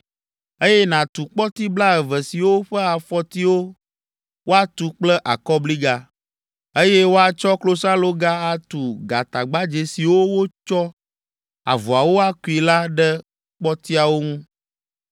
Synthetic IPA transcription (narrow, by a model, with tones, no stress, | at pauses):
e˦jɛ˦nã˨t̪u˨k͡pɔ˦t̪i˦bla˦ɛ˨vɛ˨si˨wo˦ɸɛ˦a˨fɔ˦t̪i˦wo˦ | wo˦a˦t̪u˨k͡plɛ˦ʔa˨kɔ˦bli˦ɡa˦ | e˦jɛ˦wo˦a˨t͡ʃɔ˦klo˦sa˦lo˦ɡa˦a˨t̪u˨ɡa˨t̪a˨ɡ͡ba˦d͡ʒe˨si˨wo˦wo˦t͡ʃɔ˦ | a̰˨vu˨a˨wo˦a˦ku˦˨i˨la˦ɖɛ˦ | k͡pɔ˦t̪i˦a˨wo˦ŋũ˦